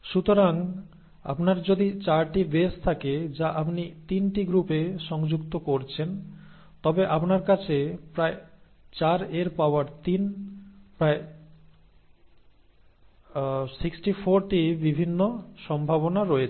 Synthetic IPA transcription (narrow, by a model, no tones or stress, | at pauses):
ʃut̪oɾaŋ | a̰pnaɾd͡ʑod̪it͡ɕaɾʈibest̪ʰaked͡ʑaʔapnit̪inʈiɡɾupeʃɔŋd͡ʑukt̪okoɾt͡ɕʰen | t̪ɔbeʔapnaɾkat͡ɕʰepɾae | t͡ɕaɾeɾpaoaɾt̪inpɾae | siksʈifoɾʈibibʱinːoʃɔmbʱabonaɾɔjet͡ɕʰ